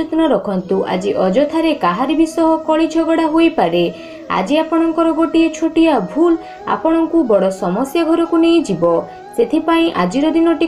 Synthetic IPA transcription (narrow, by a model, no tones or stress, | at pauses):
et̪ɔnɔɾɔkʰɔnt̪uʔa̰d͡ʒiʔɔd͡ʒɔt̪ʰaɾekaɦaɾibʱisɔɦɔkɔɭit͡ʃʰɔɡɔɽaɦojpaɾe | a̰d͡ʒiapɔɽ̃ɔŋkɔɾɔɡoʈiet͡ʃʰoʈijabʱul | a̰pɔɽ̃ɔŋkubɔɽɔsɔmɔsjɔɡʱɔɾɔkunejd͡ʒibɔ | set̪ʰipaĩʔad͡ʒiɾɔd̪inɔʈi